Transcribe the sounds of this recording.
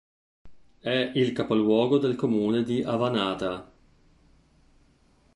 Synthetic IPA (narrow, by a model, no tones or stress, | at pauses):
ɛilkapolwɔːɡod̪elkomuːned̪iʔavanaːt̪a